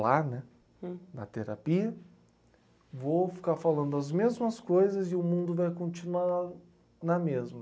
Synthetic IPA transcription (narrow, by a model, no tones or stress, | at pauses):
lanɛ | nɐ̰t̪eɾa̰piɐ | vofi̥kaɾfalɐ̃nd̪ʊɐzmezmɐskojzɐzɪʊmũnd̪ʊvajkõnt͡ʃinuaɾ | nɐmezmɐ